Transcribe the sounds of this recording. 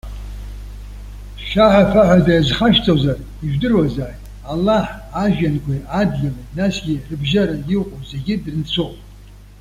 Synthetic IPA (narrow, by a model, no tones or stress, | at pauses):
ʃaħapʰaħʷadajazχaʃt͡sʼozar | iʒᶣdɨrwazaːjtʼ | alːaħaʒᶣankʷʰajadlʲalanasɡʲirɨbʒaɾajɪqʷʼozeɡʲɪdrɨnt͡sʷʰopʼ